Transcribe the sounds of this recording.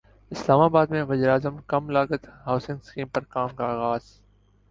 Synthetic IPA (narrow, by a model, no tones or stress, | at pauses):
ɪslaːmaːbaːd̪mẽʋɐziːɾaːzəmkɐmlaːɡət̪ɦaːʊsɪ̃ŋɡskĩːmpɐɾkaːmkaaːɣaːz̥